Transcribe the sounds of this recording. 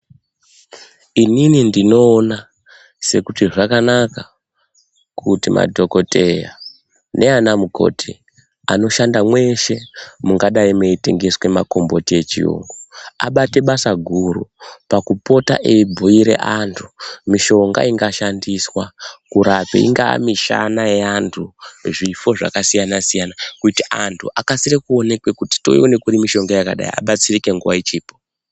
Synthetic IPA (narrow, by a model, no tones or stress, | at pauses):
ininindino̞ːna | se̞kutiʐakanaka | kutima̰dʱo̞ko̞te̞ja̰ | ne̞anamuko̞̰tʰi | a̰no̞ʃandamwe̞ʃe̞muŋɡaɗaimeite̞ŋɡe̞swe̞ma̰ko̞mbo̞tie̞t͡ʃḭo̰ŋɡoaɓate̞ɓasaɡʱuɾupakupo̞ta̰ʔeibʱuiɾe̞̰ʔantʰu̥miʃo̞ŋɡa̰iŋɡaʃandiswakuɾapḛḭŋɡaa̰miʃa̰najeantʰuʐifo̞ʐa̰kasijanasijanakutiʔantʰuʔakasirekuo̞ne̞kwe̞kuti̥to̞̰ione̞kuɾimiʃo̞ŋɡajakaɗa̰jḭa̰ɓat͡sirike̞ŋɡuwait͡ʃiːpo